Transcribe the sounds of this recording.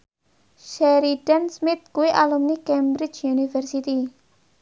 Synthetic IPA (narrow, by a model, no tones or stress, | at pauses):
ʃɛɾiɖ̥ɛnsmɪt̪̚kuiʔalumnikɛmbɾɪd͡ʒjunifɛrsit̪i